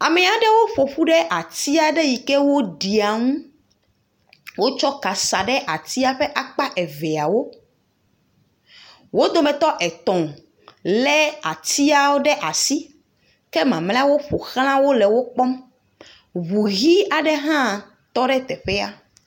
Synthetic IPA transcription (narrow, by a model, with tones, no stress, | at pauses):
a˨mɛ̃˨a˨ɖɛ˦wo˦ɸo˨ɸu˦ɖɛ˦ʔa˨t̪i˦a˨ɖe˦ji˨kɛ˦wo˦ɖi˨a˨ŋũ˦ | wo˦t͡ʃɔ˦ka˨sa˨ɖɛ˦ʔa˨t̪i˦a˨ɸɛ˦ʔa˦k͡pa˦ʔɛ˨vɛ˨a˨wo˦ | wo˦d̪o˨mɛ̃˨t̪ɔ˦ʔɛ˨t̪ɔ̃˨ | lɛ˦a˨t̪i˦a˨wo˦ɖɛ˦ʔa˨si˦ | kɛ˦mã˨mlɛ̃˦a˦wo˦ɸo˨xl̃ã˦wo˦lɛ˨wo˦k͡pɔ˦m | βu˨ɣi˦a˨ɖɛ˦ɦã˦˨ | t̪ɔ˦ɖɛ˦t̪ɛ˨ɸɛ˦a˦